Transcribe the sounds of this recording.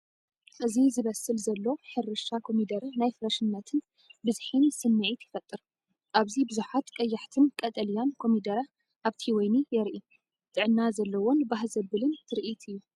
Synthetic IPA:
ʔɨzizɨβɐsɨlzɐlːo̞ħɨɾɨʃakʰo̞mid̪ɐɾɐnajfɨɾɐʃɨnːɐt̪ʰɨn | bɨzħinsɨnːɨʕit̪jɪfɐt̪ʼːɨɾ | ʔaβzibɨzuħat̪kʼɐjːaħt̪ʰɨnkʼɐt̪ʼɐlijankʰo̞mid̪ɐɾɐ | ʔaβt̪ʰiwɔjnijɛɾʔi | t̪ʼɨʕɨnːazɐlːɐwo̞nbaɦzɐbɨlɨnt̪ʰɨɾʔit̪ɨjːu

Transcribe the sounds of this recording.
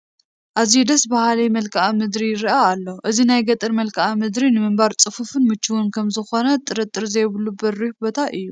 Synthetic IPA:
ʔazid̪ɐsbahalɐjmɐlkʰaʔamɨd̪ɾijɪɾaːlːoʔɨzinajɡɐt̪ʼɨɾmɐlkʰaʔamɨd̪ɾinɨmɨmbaɾt͡sʼɨfufɨnmɨt͡ʃːuwunkʰɐmzɨxo̞nɐt̪ʼːɨɾɐt̪ʼːɨɾzɐjβɨlːubɐɾːihbot̪ʰaʔɨjːu

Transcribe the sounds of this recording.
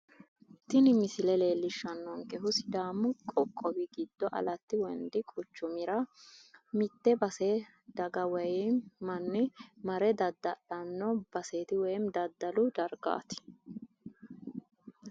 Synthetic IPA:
t̪ɪnɪmɪsɪlɛle̞ːlːɪʃːɐnːɔŋkɛɦʊsɪ̥d̪aːmkʼɔkʼːɔɡɪɡɪd̪̥ːɔʔɐ̰lɐt̪ːɪwɔnd̪ɪkʼʊt͡ʃːʊmɪɾɐ | mɪt̪ːɛbɐse | d̪̥ɐɡɐwɛjɛmɐnːɪmɐɾɛd̪ɐd̪ːɐᶑɐnːɔb̥ɐseːt̪ɪwɛjmd̪ɐd̪ːɐlʊd̪ɐɾɡa̰ːt̪ɪ̥

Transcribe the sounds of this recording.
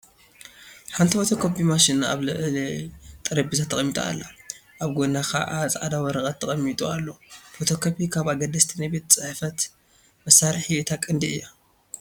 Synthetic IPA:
ħant̪ʰifo̞t̪ʰokʰobimaʃɪna̰βlɨʕlit̪ʼɐɾɐbizat̪ʰːɐkʼɐmːit̪ʼua̰lːa̰ | ʔaβɡonakʰa̰ʔat͡sʼʔad̪awɔɾɐkʼɐt̪ʰːɐkʼɐmːit̪ʼualːofot̪ʰo̞kʰopikʰaβaɡɐd̪ɐst̪ʰinajbet̪t͡sʼɨħfɐt̪ | mɐsːaɾħiɨt̪ʰakʼɨnd̪iɨ̰jːa

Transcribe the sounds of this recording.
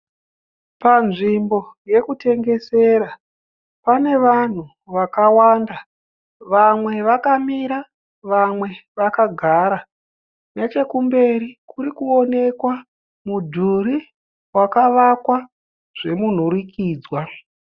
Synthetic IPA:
panʐimbo̞je̞kute̞ŋɡe̞se̞ɾa | pane̞ʋan̤u | ʋakawaːnda | ʋamwe̞ʋakamiɾa | ʋamwe̞ʋakaɡʱaɾa | ne̞t͡ʃe̞kumbe̞ɾikuɾikuo̞ne̞kwa | mudʱuɾi | wakaʋakwa | ʐ̥e̞mun̤uɾikʰiːd͡zwa

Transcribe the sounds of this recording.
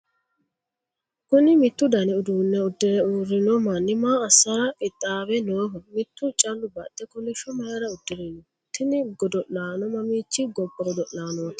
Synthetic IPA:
kʊnɪmɪt̪ːʊd̪ɐnɪʊd̪uːnːɛʊd̪ːɪɾɛuɾːɪnɔmɐnːɪmaːɐsːɐɾɐʔɪt̪ʼːaːbɛnoːɦɔmɪt̪ːʊt͡ʃʼɐlːʊbɐt̪ʼːɛkɔlɪʃɔmɐjɐɾɐʊd̪̥ːɪɾɪnɔ | t̪ːɪnɪɡɔd̪ɔʔlaːnɔmɐmiːt͡ʃːɪɡɔbːɐɔd̪ɔʔlaːnoːt̪

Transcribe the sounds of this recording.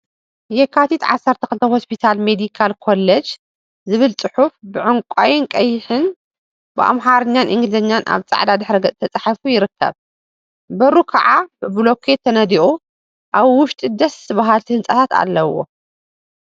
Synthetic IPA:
jɛkʰːat̪ʰit̪ʕa̰sːɐɾt̪ʰɐxɨlɨt̪ʰɐho̞spʰit̪ʰalmed̪ikʰalkʰo̞lːɐd͡ʒ | zɨβɨlt͡sʼɨħufbɨʕɨŋkʷʼajɪnkʼɐjːɪħɨn | bɨʔa̰mɦaɾɨɲːanʔɨŋɡlɨzɐɲːanʔa̰βt͡sʼa̰ʕd̪ad̪ɨħɾɐɡɐt͡sʼt̪ʰɐt͡sʼaħafujɪɾɨkʰːɐ̰β | bɐɾukʰɐʕabɨblokʰet̪ʰːɐnɐd̪iʔu | ʔaβwʊʃt̪ʼid̪ɐsɨβaɦalt̪ʰihɨnsʼat̪ʰat̪a̰lːɐwːo̰

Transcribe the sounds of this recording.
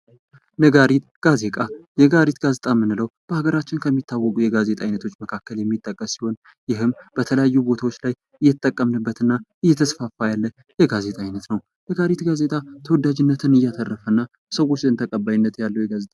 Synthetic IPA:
nəɡaɾit̪ | ɡ̥aze̞kʼajɛɡaɾit̪ɡazet̪ʼamɨnːɨləwb̥əaɡəɾat͡ʃːɪnkʰəmːit̪ːawːɔkʼujɛɡaze̞t̪ʼajnət̪ʰo̞t͡ʃːməkʰakːəljɛmːit̪ʼːəkʼːəsːi̥ho̞n | jɪɦɨmb̥ət̪ʰələjajːubo̞t̪ʰawot͡ʃːlaj | ʔɨjːɛt̪t̪ʼːəkʼːəmnəbːət̪ɨnːaʔɨjːɛt̪ʰəsfafːajalːə | jɛɡaze̞t̪ʼajnət̪nəw | nəɡaɾit̪ɡaze̞t̪ʼat̪ʰəwɔd̪ad͡ʒɪnːət̪ʰɨnɨjːat̪ʰərːəfənːa | səwot͡ʃːɨnt̪ʰəkʼəbːajɪnːət̪jalːəwjɛɡazet̪ʼa

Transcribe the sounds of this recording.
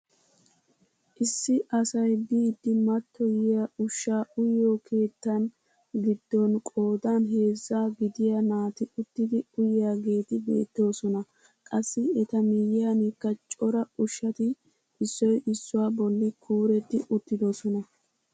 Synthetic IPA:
ʔɪsːɪʔɐsɐjbiːd̪ːɪmɐt̪ːɔjɪjaʊʃːaːʊjːoːkʰe̞ːt̪ːɐn | ɡɪd̪ːɔnkʼo̞ːd̪anɦe̞ːzːaːɡɪd̪ɪjanaːt̪ɪʊt̪ːɪd̪ɪʊjjaːɡe̞ːt̪ɪbe̞̰ːt̪ːo̞ːsɔnɐ | kʼɐsːɪɛt̪ɐmijɪjanɪkːɐt͡ʃʼɔɾɐʊʃːɐt̪ɪ | ɪsːɔjɪsːʊwaːbɔlːɪkʰuːɾɛt̪ːɪʔʊt̪ːɪd̪osɔnɐ

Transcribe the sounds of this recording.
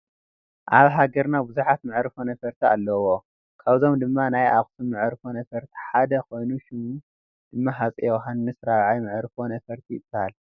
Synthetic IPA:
ʔaβɦaɡɐɾnabɨzuħat̪mɨʕɾɨfonɐfɐɾt̪ʰia̰lːɐwo | kʰaβzo̞md̪ɨmːanajʔaxʼsumɨʕɾfonɐfɐɾt̪ʰi̥ħad̪ɐkʰo̞jnuʃɪmu | d̪̥ɨmːaɦat͡sʼiɦanːɨsɾaβʕajmɨʕɾfonɐfɐɾt̪ʰiɨ̰b̥ːhal

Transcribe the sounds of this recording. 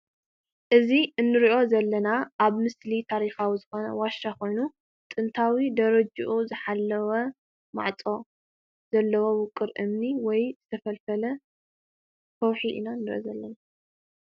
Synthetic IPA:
ʔɨziɨnːɨɾiʔo̞zɐlːɐnaʔaβmɨslit̪ʰaɾixawizɨxo̞nɐ̰waʃːakʰo̞jnu | t̪ʼɨnt̪ʰawid̪ɐɾɐd͡ʒuʔuzɨħalːɐwɐ | ma̰ʕt͡sʼo̞ | z̥ɐlːɐwowʊkʼːɨɾʔɨmniwɔjzɨt̪ʰɐfɐlfɐlɐ | fɐwħiʔḭnanːɨɾḭʔo̰zɐlːɐna

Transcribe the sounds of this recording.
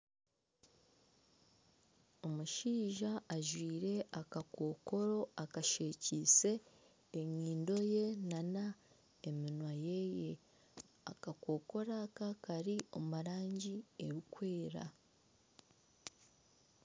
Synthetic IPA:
o̞muʃiːʒaːʒwiːɾe̞akako̞ko̞ɾo̞akaʃe̞ːciːse̞ː | ɲiːndo̞je̞nana | eminwaje̞je̞ | a̰kako̞ko̞ɾakakaɾio̞̰maɾaːɲɟieβikwe̞ːɾa̰

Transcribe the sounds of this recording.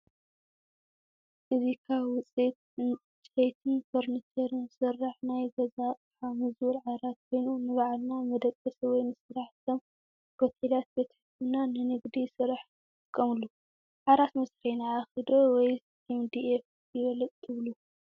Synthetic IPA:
ʔɨzikʰaβwʊt͡sʼit̪ | t͡ʃʼejt̪ʰɨnfʰoɾnit̪ʰɐɾɨnsɨrːaħnajɡɐzatʼħamɨzwulʕaɾat̪̚kʰo̞jnunɨβaʕlnamɐd̪ɐkʼːɐsiwɔjnɨsɨɾaħt̪ʰom | bot̪ʰelat̪̚bet̪ʰɐ̥ħɨtɨnanɨnɨɡd̪isɨɾaħ | t̪ʼɨkʼːɐmɨlːu | ʕaɾat̪mɐsɾejnaːxid̪owɔj | emd̪ief | jɪβɐlɐt̪ʼt̪ʰːɨβlu

